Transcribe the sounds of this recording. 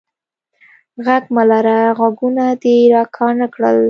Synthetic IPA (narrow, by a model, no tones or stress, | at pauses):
ɣaɡmalaɾaɣaɡunad̪eɾɑkʰɑnakɽə̰l